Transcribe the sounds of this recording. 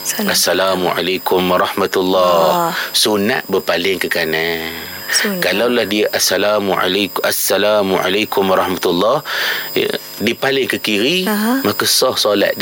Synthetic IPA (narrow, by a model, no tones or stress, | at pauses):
asːalamuʕa̰lajkʊmwaɾˤɑhmat̪ulːɔhsuna̰ʔbəpalɪŋkəkana | kalawlahdiaʔasːalamua̰laasːalamuʔa̰lakʊmwaɾˤɑhmat̪ulːɑhjə̰ | dipalɪŋkəkiɾimãkəsɔhsola̰ʔ̪̚d